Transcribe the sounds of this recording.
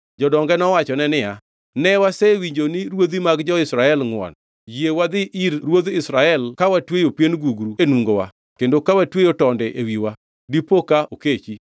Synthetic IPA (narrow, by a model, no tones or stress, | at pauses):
d͡ʒɔdɔŋɡɛnɔwat͡ʃɔnɛnɪja | nɛwasɛwiɲd͡ʒonɪɾwod̪imaɡd͡ʒɔɪsɾaɛlŋwɔ̰n | jewad̪ɪʔiɾɾwod̪ɪsɾaɛlkawatwejopjenɡuɡɾuenwuŋɡowa̰ | kendokawatwejotɔndɛʔewiwa | dipokaʔoket͡ʃi